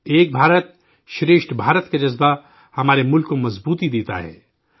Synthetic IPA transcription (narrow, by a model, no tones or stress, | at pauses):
eːk̚bʱaːɾət̪̚ | ʃɾeːʃʈbʱaːɾət̪kad͡ʒɐzba | hɐmaːɾemʊlkːomɐzbuːt̪id̪eːt̪a̰ɦɛ̰ː